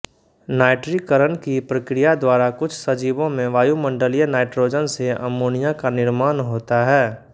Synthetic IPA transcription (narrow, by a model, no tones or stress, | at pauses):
naːɪʈɾikəɾənkipɾɐkɾɪjad̪waːɾakʊt͡ʃʰsɐd͡ʒiːbõmẽʋaːjumə̃ɳɖəlijənaːɪʈɾoːd͡ʒənseɐ̰moːnijakanɪɾmaːnɦoːt̪aɦɛː